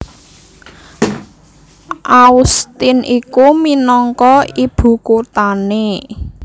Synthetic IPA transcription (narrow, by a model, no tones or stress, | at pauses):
ʔaust̪ɪnʔikuminɔŋkɔib̥ṳkot̪ane